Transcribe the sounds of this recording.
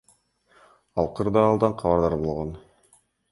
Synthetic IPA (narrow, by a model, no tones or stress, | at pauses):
ɑlˠqʰɯɾd̪ɑːlˠd̪ɑɴqʰɑβɑɾd̪ɑɾbo̞lˠʁon